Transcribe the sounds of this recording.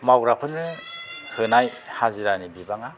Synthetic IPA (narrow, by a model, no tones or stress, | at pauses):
mawɾapʰɯnːɯhɯnajhaziɾanibibaŋa